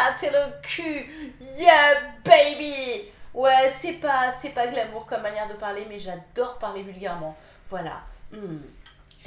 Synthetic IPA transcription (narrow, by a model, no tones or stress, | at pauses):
t̪ʰelokʰyjɛbejbiwɛsɛpasɛpaɡlamuʁkɔmːanjɛʁd̪əpaʁlemɛʒad̪ɔʁpaʁlevylɡʲɛʁmɑ̃ | vwala̰m̩